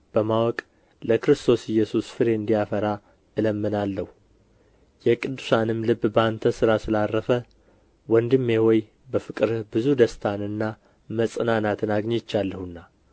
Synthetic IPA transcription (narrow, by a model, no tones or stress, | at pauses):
b̥əmawɔkʼ | ləkɨɾɨst̪ʰo̞sɪjːɛsusfɨɾe̞ɨnd̪ijafəɾa | ɨləmːɨnalːəhu | jɛkʼɨd̪ːu̥sanɨmlɨbːbant̪ʰəsɨɾasɨlarːəfə | wɔnd̪ɨmːehoj | bəfɨkʼɨɾbɨzud̪əst̪ʰanɨnːa | məsʼɨnanat̪ʰɨnaɡɲet͡ʃːalːəhunːa